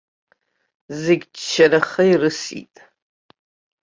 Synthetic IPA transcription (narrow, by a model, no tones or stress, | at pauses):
zɪɡʲt͡ʃt͡ʃʰɐnɐχɐirɨsḭtʼ